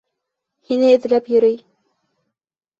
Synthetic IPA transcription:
hinɘɘ̆t̪ɘ̆læpjɵ̆ɾɘj

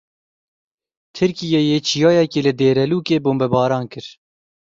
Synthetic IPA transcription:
t̪ʰɨɾkijejeːt͡ʃʰijɑːjɛkeːlɨd̪eːɾɛluːkeːboːmbɛbɑːɾɑːnkɨɾ

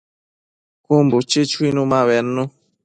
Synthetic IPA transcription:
kumbot͡ʃet͡ʃwinũmaβɛnːũ

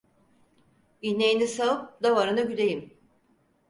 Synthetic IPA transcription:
inejinisaɯp̚d̪avaɾɯnɯɟylʲejim

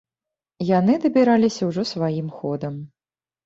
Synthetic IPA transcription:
jan̪ɨd̪ɐbʲiɾalʲisʲɐwʐɔsvajimxɔd̪ɐm

